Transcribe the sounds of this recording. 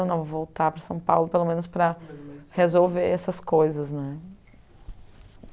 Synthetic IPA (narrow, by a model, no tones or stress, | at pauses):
w̃nɐ̃w̃vowt̪apɾɐsɐ̃w̃pawlʊpelomẽnʊspɾɐhezowveɾɛsɐskojzɐznɛ